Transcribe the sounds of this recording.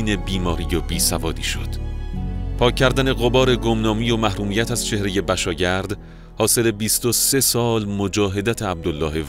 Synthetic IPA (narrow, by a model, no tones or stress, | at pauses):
iːne̞biːmɒːɾijobiːsævɒːd̪iːʃo̰d̪̥ | pʰɒːcʰːæɾd̪æne̞ɣobɒːɾe̞ɡomnɒːmiːjomæhɾuːmiːjæt̪ʰæz̥t͡ʃʰe̞hɾe̞je̞bæʃɒːɟæɾd̪ | hɒːse̞le̞biːst̪o̞se̞sɒːlmod͡ʒɒːɦe̞d̪æt̪ʰeæb̚d̪olːɒːɦe̞v